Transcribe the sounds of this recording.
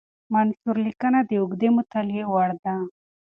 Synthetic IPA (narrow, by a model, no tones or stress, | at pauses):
mansuɾlikənad̪əʊɡd̪emʊt̪aljewaɽd̪a